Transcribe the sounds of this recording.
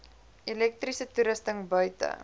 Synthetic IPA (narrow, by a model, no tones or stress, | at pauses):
ʔilɛk̚trisətuɾəstəŋbœɥtə̰